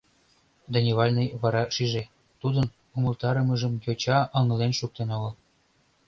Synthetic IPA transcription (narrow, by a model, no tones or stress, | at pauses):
d̪onʲeβɑlʲnɤjβɑɾɑʃiʒe | t̪ud̪ə̆n | uŋɤ̆lt̪ɑɾə̆mə̆ʒə̆mjot͡ɕɑʔɤŋɤ̆lenʃuk̚t̪enoɡɤ̆l